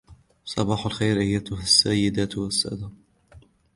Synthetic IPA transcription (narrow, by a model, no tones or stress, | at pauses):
sˤɑbɑːħalxejɾʔɪjːat̪ʊɦasːajːɪd̪aːt̪wasːa̰d̪a